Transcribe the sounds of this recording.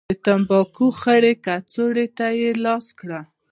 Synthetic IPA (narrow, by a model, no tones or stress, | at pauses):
ət̪ambɑkuxəɽekat͡soɽet̪ajelɑskɽa